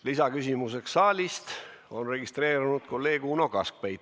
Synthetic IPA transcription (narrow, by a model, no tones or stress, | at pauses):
lisɑkysʲimuse̞ksːɑːlʲist̪o̞nre̞ɡ̥ist̪re̞ːɾunud̪̥kolːe̞ːɡ̥unokɑsk̚pejt̪ː